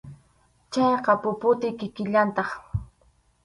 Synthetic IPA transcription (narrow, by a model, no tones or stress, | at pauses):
t͡ʃɑjqɑpʊpʊt̪ɪkɪkɪʎant̪ɑχ